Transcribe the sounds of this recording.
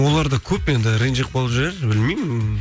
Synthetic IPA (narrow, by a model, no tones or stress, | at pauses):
wo̞lˠɑɾd̪ɑkʲʰɵpje̞nd̪ɪɾejnʒeq̚bolˠəpʒeeɾbɪlmejmɪ